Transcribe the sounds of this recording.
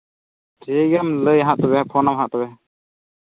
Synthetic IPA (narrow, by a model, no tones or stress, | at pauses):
t͡ʃɛɡamləjɦãʔt̪ɔbɛpʰɔnamɦãʔt̪ɔbɛ